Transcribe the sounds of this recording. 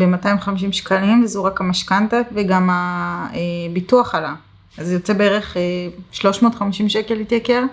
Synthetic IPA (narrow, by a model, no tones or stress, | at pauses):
bematajmχamiʃ̬imʃkalimvezuʁakamaʃkantaveɡamaebituaχala | azjot͡sebeeʁeχeʃlo̞ʃmotχamiʃimʃe̞ke̞lhit̪jake̞ʁ